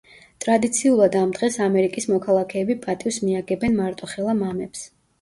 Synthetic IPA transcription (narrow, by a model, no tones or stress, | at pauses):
t̪ʼɾad̪it̪sʰiulˠad̪amd̪̥ʁɛsamɛɾikʼismɔkʰalˠakʰɛːbipʼat̪ʼivsmiaɡɛbɛnmaɾt̪ʼɔχɛlˠamamɛps